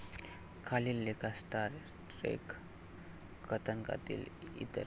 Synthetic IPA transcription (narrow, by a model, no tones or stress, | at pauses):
kʰalilːekʰastaɾsʈɾḛk | kʰət̪ʰənka̰t̪ḭlḭt̪ə̰ɾ